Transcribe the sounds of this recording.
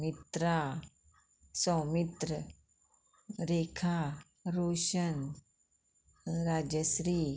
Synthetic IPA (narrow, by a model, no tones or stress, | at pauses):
mit̪ɾa | sɔmit̪ɾə | ɾekʰa | ɾoɕən | ɾad͡ʑəsɾiː